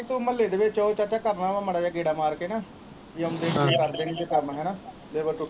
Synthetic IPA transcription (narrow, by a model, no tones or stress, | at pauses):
kt̪uməleɖʋeːt͡ʃoːot͡ʃat͡ʃaːkəɾnaːʋaːməɽaːd͡ʒaːkeːɽaːmaːɾkeːnaː | iənd̪eːkʰekəɾd̪eːniːt͡ʃekəɾnaɦɛːnaː | leːbəɾʈʊ